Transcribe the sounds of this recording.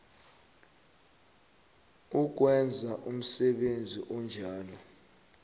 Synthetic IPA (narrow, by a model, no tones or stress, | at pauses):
uk̬wɛnd͡zʱaʔum̩sɛɓend͡zʱiʔɔnd͡ʒʱaːlɔ